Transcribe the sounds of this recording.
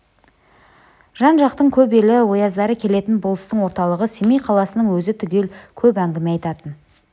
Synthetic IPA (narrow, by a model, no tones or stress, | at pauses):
ʒ̥ɑnʒɑqt̪əɴkʲʰɵpe̞lɪwo̞jɑzd̪ɑɾəkʲʰe̞le̞t̪ɪnbolˠəst̪əɴwo̞ɾt̪ɑlˠəʁəsemejqʰɑlˠɑsənəŋwɵzɪt̪ʰʏɡʲe̞lkʲʰɵpæŋɡʲɪmeɑjt̪ɑt̪ən